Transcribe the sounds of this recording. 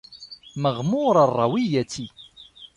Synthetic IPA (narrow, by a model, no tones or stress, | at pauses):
məʁmʊɾərˤːɑwijæt͡sːi